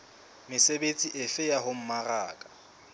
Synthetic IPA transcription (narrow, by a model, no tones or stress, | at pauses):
mɪsebet͡sʼiʔɪfɪjaɦʊm̩maraːkʼḁ